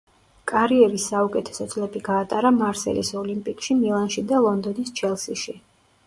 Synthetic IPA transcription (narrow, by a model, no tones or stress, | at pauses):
kʼaɾiɛɾisːaukʼɛt̪ʰɛ̥sɔt̪sʼlɛbiɡaːt̪ʼaɾamaɾsɛ̰lḭsɔlimpʼikʼʃimilˠanʃid̪alˠɔnd̪ɔnist͡ʃʰɛlˠsiʃi